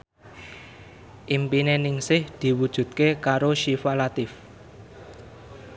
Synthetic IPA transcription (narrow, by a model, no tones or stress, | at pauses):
ʔimpinenɪŋsɪhd̪̥i̤wud̥ʒ̥ṳt̪̚kekaɾoʃifalat̪ɪf